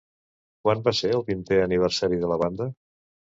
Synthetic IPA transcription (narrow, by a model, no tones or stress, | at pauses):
kwanbaseɾəlˠβint̪ɛəniβ̞əɾsaɾiðələβ̞and̪ə